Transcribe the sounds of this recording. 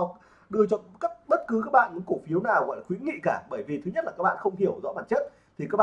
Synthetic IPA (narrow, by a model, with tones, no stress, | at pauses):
ɗɨ˧ət͡ɕɔ˧˨ka˦˥p̚ɓə˦˥t̚kɨ˨˦k̬aː˦˥k̚ɓa̰ː˧˨nɨ˨˦ko˧˩fi˨˦əwnaː˨˩wɣɔ̰˧˨jlaː˨xwi˨˦ənŋḭ˧˨kaː˧˩ɓəː˧˩jvi˨˩t̪ʰɨ˨˦ɲə˦˥t̚laː˨˩kaː˦˥k̚ɓ̰a̰ː˧˨xə˧wŋ͡mhi˧˩əwzɔ̰˧˥ɓaː˨˩n̚t͡ɕə˦˥t̚ | t̪ʰi˨˩kaː˦˥k̚ɓa˧